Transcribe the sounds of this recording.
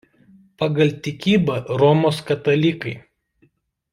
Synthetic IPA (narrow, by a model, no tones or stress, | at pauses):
pɐɡɐlʲt̪ʲɪkʲiːbɐɾɔmoːskɐt̪ɐlʲikɐɪ